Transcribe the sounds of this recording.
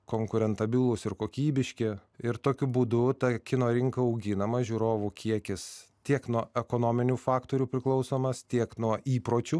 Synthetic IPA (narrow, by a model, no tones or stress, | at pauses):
koːŋkʊɾʲɛnt̪ɐbʲɪlˠʊsɪɾkoːkʲiːbʲɪʃʲkʲɪɪɾt̪oːkʲʊbuːd̪ʊt̪ɐkʲɪnoːɾʲɪŋkɐɐʊɡʲɪnɐmɐʒʲuːɾoːʋukʲiɛkʲɪst̪ʲiɛknuɔɛkoːnoːmʲɪnʲufɑːkt̪oːɾʲuːpʲɾʲɪklˠɐʊsoːmɐst̪ʲiɛknuɔʔiːpɾoːt͡ʃʲʊ